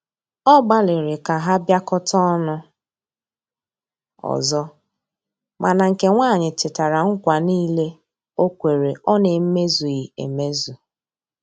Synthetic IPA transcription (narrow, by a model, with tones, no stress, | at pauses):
ɔ˦ɡ͡ba˦lɪ˨ɾɪ˨ka˨ɦa˦bja˦kɔ˦tɔ˦nʊ˦ | ɔ̰˨zɔ˦ | mʔa˨na˨ŋ̩˨ke˨ŋʷaː˦˨ɲɪ˨tɪ˨ta˨ɾa˨ŋ̩˦kʷa˨niː˦le˦ | o˦kʷe˨ɾe˨ɔ˦nɪ˨m̩˦me˦zu˨ji˨ḛ˨me˦zu˨